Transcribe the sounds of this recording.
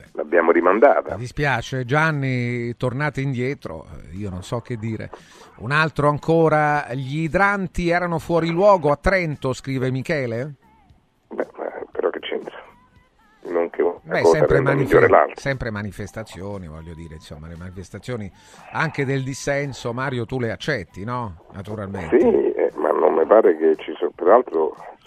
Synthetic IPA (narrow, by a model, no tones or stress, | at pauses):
bɛla̰bjaːmoɾimand̪a̰ːt̪a̰d̪ispjaːt͡ʃed͡ʒanːit̪ornaːt̪eind̪jɛːt̪ɾo̰iːononsɔk̟ːed̪ːiːɾḛ | unalt̪ɾoaŋkʰoːɾaʎid̪ɾant̪iɛːɾanofwɔːɾilwɔːɡoat̪ːɾɛnt̪oskɾiːvemikɛːle | bɛ̰ma̰peɾɔkːet͡ʃːɛ̰nt̪sḁ | noŋkʰebaɛsoɛmɾɾenmanmiʎːoːɾela̰lt̪sɛmpɾemanifest̪at̪sːjoːnivɔ̰ʎːod̪iːɾeinsomːalemanifest̪at̪sːjoːni | aŋk̟ed̪eld̪isːɛnsomaːɾjot̪uleat͡ʃːɛt̪ːinɔnat̪uɾalmḛnsiɛ̰ma̰nːo̰mmepaːɾeket͡ʃispeɾalt̪ɾo